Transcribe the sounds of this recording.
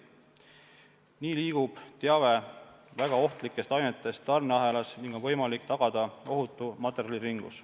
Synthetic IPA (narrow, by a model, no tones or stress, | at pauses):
niːliːɡ̥ub̥t̪eɑve̞væɡ̥ɑo̞ht̪likːˑe̞st̪ɑjnet̪ːˑe̞st̪ːɑrnɑɦe̞lɑsniŋɡ̥ovɤ̞jmɑlikːt̪ɑɡ̥ɑd̪̥ɑo̞ɦut̪ːˑumɑt̪ːˑe̞ɾjɑliɾiŋɡ̥ṵs